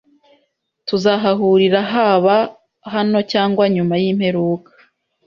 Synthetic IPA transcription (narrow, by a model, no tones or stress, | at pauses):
tuzaɦaɦuːɾiɾaɦaβa | ɦano̞caːŋɡwaɲumajimhe̞ɾuːkḁ